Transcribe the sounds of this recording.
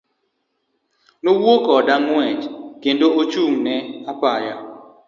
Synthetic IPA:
nowokɔdaŋwɛt͡ʃkendoot͡ʃuŋnɛapaja

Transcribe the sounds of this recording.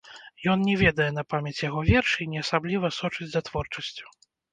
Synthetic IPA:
jɔnnʲɛvʲɛd̪ɐjɛnɐpamʲɛt͡sʲjaɣɔvʲɛrʂinʲɛasablʲivɐsɔt͡ʂɨd͡zʲzɐt̪vɔrt͡ʂɐsʲt͡sʲu̥

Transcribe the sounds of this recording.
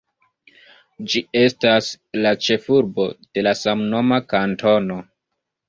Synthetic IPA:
d͡ʒie̞stas | lat͡ʃe̞fuɾbo̞d̥e̞lasamno̞makantʰo̞no̞

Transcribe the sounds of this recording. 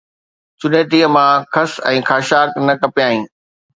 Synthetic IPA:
t͡ɕʊneːt̪iːəmãkʰɐsɛ̃ːxʰaːʃaːknɐkɐpijaːɦĩː

